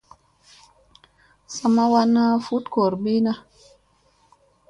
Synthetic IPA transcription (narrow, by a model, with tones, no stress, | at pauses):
sa˧ma˦wa˦na˦fu˦tko˨ɾɓe˦na˦